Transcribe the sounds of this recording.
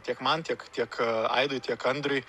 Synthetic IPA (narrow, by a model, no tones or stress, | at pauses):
t̪ʲiɛkmɐnt̪ʲiɛkt̪ʲiɛkɐ̰ɪd̪oːjt̪ʲiɛkɐnd̪ɾʊj